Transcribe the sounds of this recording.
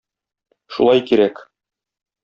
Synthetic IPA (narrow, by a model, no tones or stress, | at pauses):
ʃṵlˠɑjkiɾæk